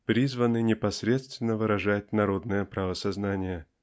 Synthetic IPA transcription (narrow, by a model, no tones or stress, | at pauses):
pɾʲizvənɨnʲɪpɐsɾʲe̞t̪st̪vʲɪnːəvɨɾɐʐatʲnɐɾo̞d̪nəjəpɾavəsɐznanʲɪjə